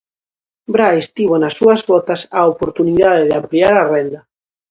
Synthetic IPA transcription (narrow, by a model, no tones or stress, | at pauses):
bɾajst̪iβonɐsːuɐzβɔt̪asaopoɾt̪uniðaðeðɪampliaɾɐrɛnd̪ɐ